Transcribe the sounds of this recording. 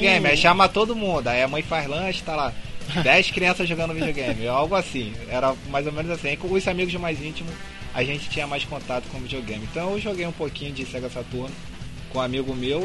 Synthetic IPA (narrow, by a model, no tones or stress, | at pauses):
ɡẽj̃mɪɛʃɐ̃mɐt̪od̪ʊmũnd̪ʊaiamɐ̃j̃fahlɐ̃ʃɪ̥t̪alad̪ɛjʃkɾiɐ̃sɐzʒoɡɐ̃nd̪ʊvid͡ʒioɡẽj̃mɪawɡʊasĩɛɾɐmajzomẽnʊzasĩẽkõʊzamiɡʊzd̪ʊmajzĩt͡ʃimʊs | a̰ʒẽt͡ʃɪ̥t͡ʃĩɲɐmajskõnt̪at̪ʊ̥kõvid͡ʒioɡẽmɪẽt̪ɐ̃w̃ewʒoɡejũpokĩɲʊd͡ʒɪsɛɡɐsat̪uɾnʊ | kõamiɡʊmew